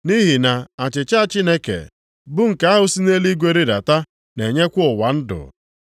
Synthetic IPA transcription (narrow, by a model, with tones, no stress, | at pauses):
ni˦ɦi˨na˨a˨t͡ʃɪ˨t͡ʃa˦t͡ʃi˦ne˦kḛ˨ | bʊ˦ŋ̩˨ka˦a˦ɦʊ˨si˦ne˦li˦ɡʷe˦ɾi˦da̰˨ta˦ | ne˨ɲe˦kʷʊ˦ʊ˨wa˨n̩˦dʊ̰˨